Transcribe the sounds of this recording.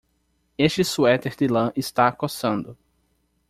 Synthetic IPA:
eʃt͡ʃɪsuɛt̪eɾd̪ɪlɐ̃ʔɪst̪akosɐ̃nd̪ʊ

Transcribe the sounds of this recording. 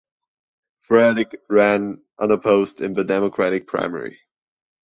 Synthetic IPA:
fɹɛdɪkɹæ̃n | ʔʌ̃nəpʰoʊztɪ̃nðɨdɛməkʰɹ̥æɾɨk̚pʰɹ̥a̰ɪ̃mɛ̰ɹḭ

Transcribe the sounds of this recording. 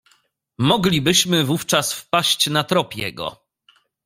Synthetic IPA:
mɔɡlʲibɘɕmɘvuft͡ʂasfpaɕt͡ɕnat̪ɾɔpʲjɛ̰ɡɔ̰

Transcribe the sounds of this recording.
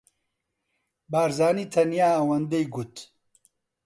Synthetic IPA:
baːɾzaːniːt̪ʰɐnjaːwɐnd̪ejɡut̪

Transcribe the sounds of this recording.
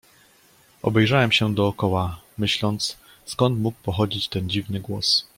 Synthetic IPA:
ɔ̰bɛjʐawɛmɕɛd̪ɔːkɔwa | mɘɕlɔnt̪s | skɔnt̪muk̚pɔxɔd͡ʑit͡ɕt̪ɛnd͡ʑivnɘɡwɔs

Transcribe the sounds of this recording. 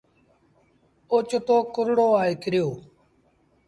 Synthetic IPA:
ot͡ʃt̪oːkʊɾɽoːaːekɪɾɪjoː

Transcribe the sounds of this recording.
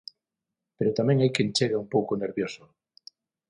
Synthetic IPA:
peɾot̪amẽŋajkẽnt͡ʃeɣaumpowkoneɾβjoso

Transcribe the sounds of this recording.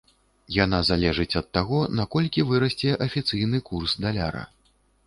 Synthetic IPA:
janazalʲɛʐɨt͡sʲɐt̪ːaɣɔnakɔlʲkʲivɨɾɐsʲt͡sʲɛʔɐfʲit̪sɨjnɨkursd̪alʲa̰ɾɐ̰

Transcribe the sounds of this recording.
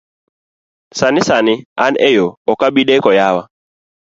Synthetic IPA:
sanisanianɛjɔɔkaɓiɗɛkɔjawa

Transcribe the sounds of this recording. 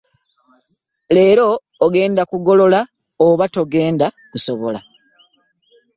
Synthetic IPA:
le̞ːɾo̞ː | ɡe̞ːndakuɡo̞lo̞la | oβato̞ɡe̞ːnda | kuso̞βo̞la

